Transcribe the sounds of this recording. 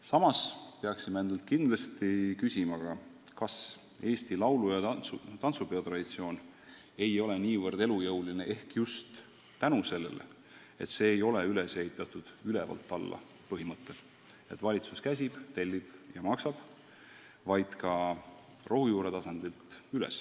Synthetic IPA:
sɑmɑspeɑksimeend̪ɑlt̪̚ˑkind̪lɑst̪ikysʲimɑɡ̥ɑkɑs | e̞ːst̪ilɑwlujɑt̪ɑnt̪supe̞ot̪rɑd̪̥it̪sio̞ːn | e̞jo̞le̞niːvɤrd̪̥e̞lujɤwlineʔe̞hkjust̪ː | ænuse̞lːe̞̰lḛ | e̞̰t̪se̞ːjo̞leylese̞hit̪ːˑɑt̪ːˑud̪̥ylevɑ̰lt̪ːˑɑlːɑ̰ | pɤɦimɤt̪ːˑe̞l | e̞t̪ːvɑlʲit̪suskæs̬ʲib̥t̪e̞lʲːib̥jɑmɑksɑb̥ | vɑjd̪̥kɑ | rʔo̞ɦujuːɾe̞t̪ɑsɑnd̪̥ilt̪ylɛ̰s

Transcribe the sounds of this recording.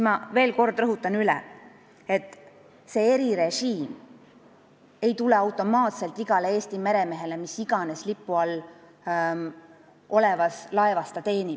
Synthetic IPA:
smɑve̞ːlko̞rd̪rɤɦut̪ːˑɑnylɛ̰ | e̞t̪ːˑ | se̞e̞ɾiɾe̞ʒiːm | e̞jt̪ule̞ɑwt̪ːˑo̞mɑːt̪se̞lt̪ːˑiɡ̥ɑleeːst̪ime̞ɾe̞me̞ɦe̞le̞misiɡ̥ɑne̞slipːˑuɑl | o̞levɑslɑevɑst̪ɑt̪e̞ːnib

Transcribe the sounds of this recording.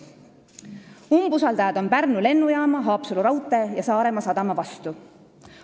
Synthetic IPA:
umbusɑld̪̥ɑjɑd̪o̞npærnule̞nːujɑːmɑɦɑːpsuluɾɑwt̪ːˑe̞jɑsɑːɾe̞mɑsɑd̪̥ɑmɑvɑst̪u

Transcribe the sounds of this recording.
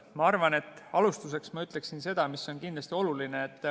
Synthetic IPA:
mɑɑrvɑne̞t̪ːˑɑlust̪us̬e̞ksmɑyt̪ːˑle̞ksinse̞d̪̥ɑmisːo̞nkind̪lɑst̪io̞lulineːt̪ːˑ

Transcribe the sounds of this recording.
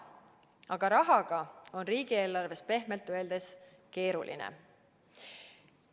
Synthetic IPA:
ɑɡ̥ɑɾɑɦɑɡ̥ɑo̞nriːɡ̥ie̞ːlɑrve̞spe̞hme̞lt̪ːˑøeld̪̥e̞s | ke̞ːɾṵlʔḭnḛ

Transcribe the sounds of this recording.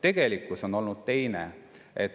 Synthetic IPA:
t̪e̞ɡ̥e̞likːˑuso̞no̞lnud̪̥̚t̪e̞jnḛ | ʔet̪

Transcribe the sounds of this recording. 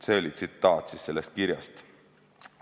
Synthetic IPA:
seːlʲit̪sit̪ːɑːt̪sisse̞lːest̪̚kiɾjɑst̪

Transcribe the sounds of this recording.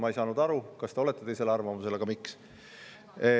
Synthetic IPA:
mɑejsɑːnud̪ɑɾukɑst̪e̞o̞le̞t̪ːˑet̪e̞jse̞leɑrvɑmuse̞leɡ̥ɑmiks

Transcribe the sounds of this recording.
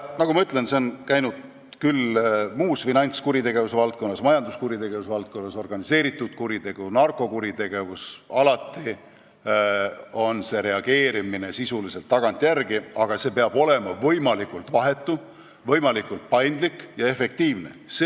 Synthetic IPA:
nɑkumɑyt̪ːˑle̞nseo̞nkæjnud̪̥ | kylmuːsfinɑnʲt̪skuɾit̪e̞ɡ̥e̞vusevɑlt̪̚ko̞nːɑsmɑjɑnd̪uskuɾit̪e̞ɡ̥e̞vusevɑlt̪̚ko̞nːɑso̞rɡ̥ɑnise̞ːɾit̪ˑːud̪̥kuɾit̪e̞ɡ̥unɑrkˑo̞kuɾit̪e̞ɡ̥e̞vusɑlɑt̪ːˑi | o̞nse̞ɾe̞ɑɡ̥e̞ːɾimine̞sisulise̞lt̪ːɑɡ̥ɑnt̪ːˑjærɡiɑɡ̥ɑse̞ːpeɑb̥o̞le̞mɑvɤjmɑlikˑult̪vɑɦe̞t̪ːu | vɤjmɑlikːˑult̪̚pɑjnd̪̥likːjɑe̞fe̞k̚t̪iːvnese

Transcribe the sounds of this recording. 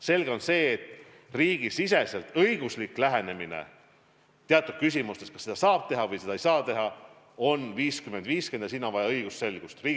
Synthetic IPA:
se̞lɡ̥e̞o̞nse̞ːet̪ːˑ | riːɡ̥isis̬e̞selt̪ɤjɡ̥uslikːˑlæɦe̞ne̞minḛ | t̪eɑt̪ːˑud̪̚kys̬imust̪e̞skɑsːed̪ɑsɑːb̥̚t̪e̞ɦɑvɤjse̥ɑejsɑːt̪e̞ɦɑ | o̞nviːskyme̞nd̪viːske̞nd̪̥ɑsinːɑvɑjɑɤjɡ̥usse̞lɡ̥ust̪riː

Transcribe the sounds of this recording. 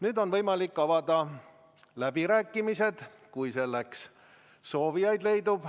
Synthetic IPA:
nyːd̪o̞nvɤjmɑlikːɑvɑd̪̥ɑ | læb̥iɾæːkˑːimise̞d̪̥ | kujselːeks | so̞ːvijɑjd̪le̞jd̪ub̥

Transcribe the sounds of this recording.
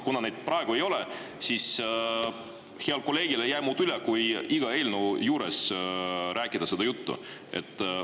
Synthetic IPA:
kunɑne̞ːd̪̥̚prɑeɡ̥ue̞jo̞lɛ | sis | heɑlko̞lːe̞ːɡ̥ilejæːmuːd̪ylekujiɡ̥ɑe̞ːlnujuːɾe̞s | ɾʔæːkːˑid̪̥ɑse̞d̪̥ɑjut̪ːṵ | ʔe̞̰t̪ːˑ

